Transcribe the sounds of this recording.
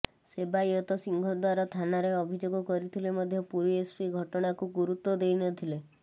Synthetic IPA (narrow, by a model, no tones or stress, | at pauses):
sebajɔt̪ɔsiŋɡʱɔd̪waɾɔt̪ʰanaɾeɔbʱid͡ʒoɡɔkɔɾit̪ʰilemɔd̪ʱjɔpuɾiespiɡʱɔʈɔɽ̃akuɡuɾut̪ɔd̪ejnɔt̪ʰile